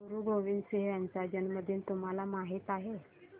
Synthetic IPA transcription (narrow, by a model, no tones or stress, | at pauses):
uɾuːɡoʋinseɦant͡sad͡ʑənməd̪ʱjint̪um̤alamaɦit̪aɦe